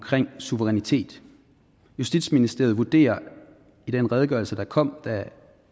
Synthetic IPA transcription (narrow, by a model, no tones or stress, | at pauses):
kʰʁeŋ̰suʋəʁɛnit͡sʰe̝̰ːd̥ | jusd̥id̥sminisd̥e̝ɐʋud̥e̝̰ːɐ | id̥enʁɛð̞ˠɡ̥ɶɐlsəd̥ɑ̈kʰɒ̽m̰d̥æ